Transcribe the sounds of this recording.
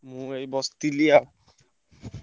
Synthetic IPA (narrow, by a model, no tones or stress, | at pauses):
mũejbɔst̪ilia